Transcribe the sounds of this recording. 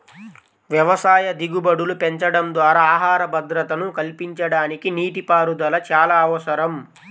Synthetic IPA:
ʋjɐʋɐsaːjɐd̪iɡubɐɽulupeɲt͡ʃɐɽɐmd̪ʋaːɾaaːɦaːɾɐbʱɐd̪ɾɐt̪ɐnukɐlpiɲt͡ʃɐɽaːnikiniːʈipaːɾud̪ɐlɐt͡ʃaːlaːɐʋɐsɐɾɐm

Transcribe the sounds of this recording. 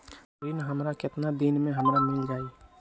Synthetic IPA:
ɾinɦəmɾakɪt̪nad̪inmẽɦəmɾamɪld͡ʒaːi

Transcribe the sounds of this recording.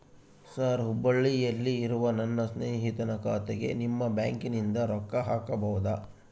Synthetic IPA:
saːɾɦubːɐɭːijɐlːiːɾuʋɐnɐnːɐsneːɦit̪ɐnɐkaːt̪eɡe̞̰nimːɐbjaːŋkinind̪ɐɾɔkːɐɦaːkɐbɐwud̪ɐ

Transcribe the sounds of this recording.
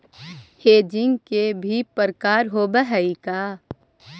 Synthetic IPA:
heːd͡ʒɪŋɡkebʱipəɾkaːɾɦoːbəɦəikaː

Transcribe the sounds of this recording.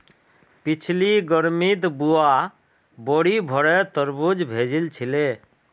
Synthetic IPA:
pit͡ʃʰliɡəɾmit̪bua | bɔɽibʱɔɾɛt̪əɾbud͡ʒbʱed͡ʒilt͡ʃʰile

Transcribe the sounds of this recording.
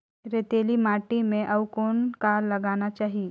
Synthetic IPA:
ɾeːt̪eːlimaːʈimẽʔɐwkoːnkaːlːɐɡaːnat͡ʃaːɦie

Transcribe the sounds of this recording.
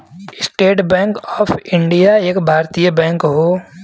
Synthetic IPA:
ɪsʈeːʈbɛ̃ːŋkɔːfʰɪ̃ɳɖijaeːkbʱaːɾt̪ijəbɛ̃ːŋkɦoː

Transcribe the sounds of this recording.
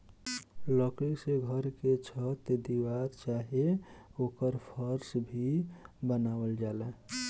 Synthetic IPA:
ləkleseɡʱəɾket͡ʃʰət̪ed̪iwaɾt͡ʃaɦeokəɾpʰəɾsbʱibənawəld͡ʒalɛ

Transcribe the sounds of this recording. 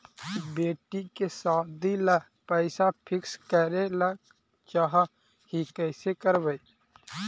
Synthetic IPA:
beːʈikesaːd̪ilə | pəɪsapʰɪkskəɾelək | t͡ʃaɦa | hikəɪsekəɾbəi

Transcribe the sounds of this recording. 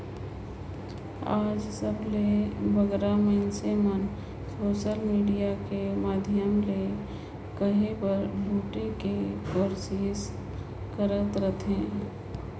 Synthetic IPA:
aːd͡ʒsəbʱlebʱəɡɾaməɪnsemən | soːʃəlmiːɖijakemaːd̪ʱjəmle | kəɦepəɾɖʱuːʈekekoɾsis | kəɾət̪ɾət̪ʰẽː

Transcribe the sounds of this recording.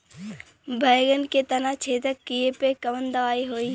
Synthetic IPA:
bʱɐːɡənket̪ɐnãt͡ʃʰeːt̪əkːijepekəʋənd̪ɐʋaːiɦoːiː

